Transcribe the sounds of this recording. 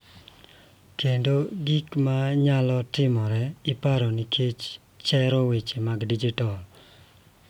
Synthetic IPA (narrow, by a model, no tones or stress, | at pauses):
kʰendoɡikmaɲalɔtɪmɔɾɛɪpaɾɔnikʰet͡ʃ | t͡ʃɛɾɔwet͡ʃemaɡdid͡ʒitɔl